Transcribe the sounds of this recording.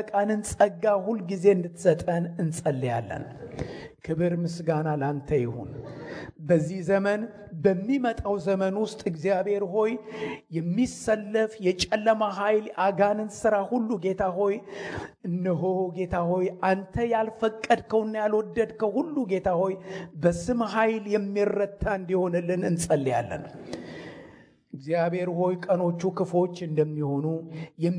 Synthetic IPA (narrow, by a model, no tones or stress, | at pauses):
kʼanɨnsʼəɡːahulːɡize̞ɨnd̪ɨt̪ːsət̪ʼənɨnsʼəlːja̰lːə̰n | kʰɨβɨɾmɨsɡanalant̪ʰəjɪ̰hṵn | bəzːihzəmən | bəmːimət̪ʼawzəmənwʊst̪ʼɨɡzijaβhe̞ɾɦo̞jjɛmːisəlːəfjɛt͡ʃʼɛlːəmaɦajlʔaɡanɨnsɨɾahulːuɡe̞t̪ʰaɦo̞jɨnːɨɦo̞ɡe̞t̪ʰaho̞jʔant̪ʰəjalfəkʼːəd̪kʰəwnːjalwɔd̪ːəd̪kʰəhulːuɡe̞t̪ʰaho̞jbəsɨmɦajljɛmːirːət̪ʰːaɨnd̪iho̞nəlːɨnɨnsʼəlːija̰lːə̰n | ʔɨɡzijaβhe̞ɾho̞jkʼəno̞t͡ʃːukʰɨfo̞t͡ʃːɨnd̪əmːiho̞nujɛm